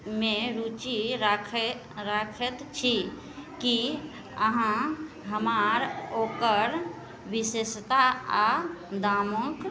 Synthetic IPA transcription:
mẽɾut͡ʃiɾakʰ | ɾakʰət̪t͡ʃʰi | ki | əɦã | ɦəmaːɾokəɾ | ʋisest̪aad̪aːmõk

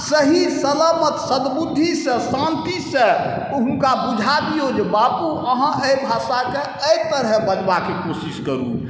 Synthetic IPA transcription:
səɦisəlamət̪səd̪bud̪ʱːisə̃sãnt̪isẽ | uɦũkabud͡ʒʱabijod͡ʒbapuʔəɦãʔəjbʱasake | əjt̪əɾɦɛbəd͡ʒbakekosiskəɾṵ

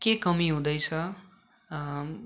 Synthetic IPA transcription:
kekʌmiɦũd̪ʌjt͡sʰʌ

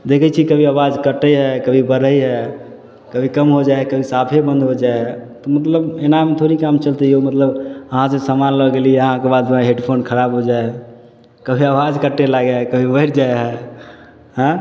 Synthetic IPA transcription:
d̪ekʰɛt͡ʃʰikəbʱiawad͡ʒkəʈəjɦɛkəbʱibəɾəjɦɛ | kəbʱikəmɦod͡ʒaekəbʱisapʰebə̃nd̪ɦod͡ʒaeɦɛt̪ɔmət̪ləbenamet̪ʰoɾikamt͡ʃəlt̪ɛomət̪ləbəɦãsẽsamanləɡelieəɦãkebad̪meɦeɖpʰonkʰəɾabɦod͡ʒae | kəbʱiawad͡ʒkəʈːelaɡekəbʱibəiɾd͡ʒaeɦɛ | ɦə̃

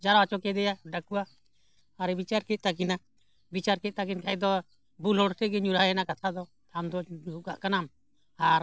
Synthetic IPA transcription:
d͡ʒaɾwat͡ʃɔkɛd̪ɛjaɖakuwaː | ɾɛbit͡ʃaɾkɛt̪̚ˀt̪akina | bit͡ʃaɾkɛc̪̚t̪akinkajd̪ɔ | bulɦɔɽt̪ɛɡɛɲuɾaɛnakat̪ʰad̪ɔ | t̪ʰand̪ɔuɡaʔkanam | aɾ

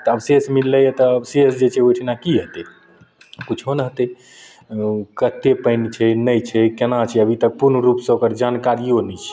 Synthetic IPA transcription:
t̪əəbsesmilːəjet̪ɔːbsesd͡ʒet͡ʃʰɛojʈʰinakiɦət̪e | kut͡ʃʰɦonəɦət̪ɛ | kət̪ːepəɪnt͡ʃʰɛnəjt͡ʃʰɛkenat͡ʃʰɛəbʱit̪ək̚puɾnɾupsẽokəɾd͡ʒankaɾionɛt͡ʃʰɛ̥

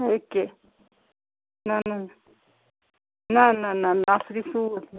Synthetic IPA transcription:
eke | nãnã | nãnãnãnãsɾisut̪

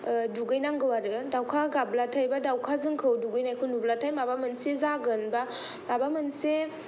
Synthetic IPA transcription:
duɡɯjnaŋɡɯwaɾɯdawkʰaɡablatʰajbadawkʰazɯŋkʰɯwduɡɯjnajkʰɯnublatʰajmabamɯnsezaɡɯnba | mabamɯnse

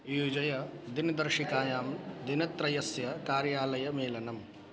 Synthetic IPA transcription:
juːd͡ʒɐjɐd̪ind̪ɐɾʃikaːjaːmd̪inɐt̪ɾɐjɐsjɐkaːɾjaːlɐjɐmeːlɐnɐm

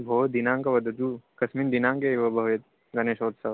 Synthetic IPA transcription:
bʱoːd̪inãːŋkɐʋɐd̪ɐd̪uːkɐsmiːnd̪inaːŋkeʋɐbʱɐʋjet̪̚ | ɡɐneːʃoːt̪sɐʋ

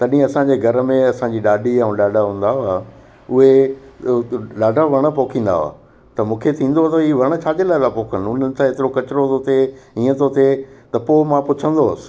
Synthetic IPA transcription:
t̪ɐɗĩɐsãɲd͡ʑeːɡʱɐɾəmẽɐsãːɲd͡ʑiːɗaːɗiaũɗaːɖʱaɦũːn̆d̪aɦaː | ʊɦe | ɗaːɖʱaʋɐɽ̃ə̆poːkʰĩːn̆d̪a̰oa̰ː | t̪ɐmũːkʰet̪ʰĩːnd̪oat̪ɐiːʋɐɽ̃ə̆t͡ɕʰaːt͡ɕelaːɪd̪apoːkʰənʊn̤ənɪ̆t̪ʰãet̪ɪɾokɐt͡ɕɪɾot̪ʰot̪eĩːə̃t̪ʰot̪ʰet̪ɐpoːmãpʊt͡ɕʰə̃nd̪oɐsɪ̥̆

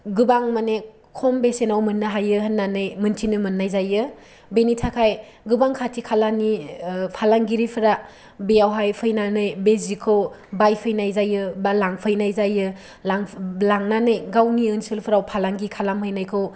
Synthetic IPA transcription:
ɡɯbaŋmane | kʰombesenawmɯnːaɦajɯɦənːanɯjmɯntʰinɯmɯnːajzajɯ | benitʰakʰaj | ɡɯbaŋkʰatʰikʰalanipʰalaŋɡiɾipʰɯɾa | beawɦajpʰɯjnanɯjbezikʰɯwbajpʰɯjnajzajɯbalaŋpʰɯjnajzajɯ | laŋlaŋnanɯjɡawniɯnsɯlpʰɯɾawpʰalaŋɡikʰalamhɯjnajkʰɯw

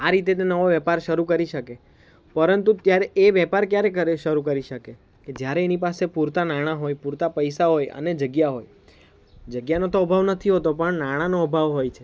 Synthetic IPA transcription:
aɾit̪̬et̪enəʋoʋjɛpaɾʃəɾukəɾiʃəke | pəɾənt̪ut̪jaɾeeʋɛpaɾkjaɾekəɾeʃəɾukəɾiʃəke | ked͡ʒjaɾeːnipasepuɾt̪anaɽ̃aɦojpuɾt̪apəjsaɦojə̰ned͡ʒəɡjaɦoj | d͡ʒəɡjanot̪oəbʱaʋnət̪ʰiɦot̪opəɳnaɽ̃anoəbʱaʋɦojt͡ʃʰe

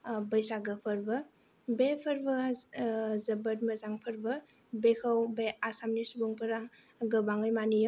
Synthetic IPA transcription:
bɐjsaɡɯpʰɐɾbɐ | bepʰɐɾbɐ | zɐbɐt̚mɐzaŋpʰəɾbɐ | bekʰɐwbeasamnisubuŋpʰɐɾa | ɡɯbaŋɯjmanijo

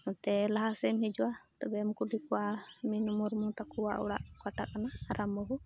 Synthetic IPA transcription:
ɔt̪ɛlaɦasɛmhɛd͡ʒuwat̪ɔbɛmkulikɔaminumɔɾmɔt̪akuwa̰ʔɔ̰ɽa̰ʔkwaʈa̰ʔkanaːɾʔambɔɦu

